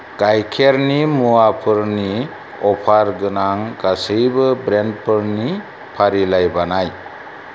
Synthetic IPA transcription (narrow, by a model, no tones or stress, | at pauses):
ɡ̥ajkʰeɾnimuapʰɯɾni | ɔpʰaɾɡɯnaŋɡasɯjbɯbɾend̚pʰɯɾni | pʰaɾilajbanaj